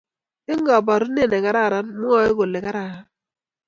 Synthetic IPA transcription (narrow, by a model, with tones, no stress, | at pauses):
ɪ˦ŋɡa˨ba˨ɾu˦ne˦˨nɛ˨ka˨ɾa˦˨ɾa˦nmʊ˦ɔ˦ɪ˦ko˨lɪ˨ka˦ɾa˨a˦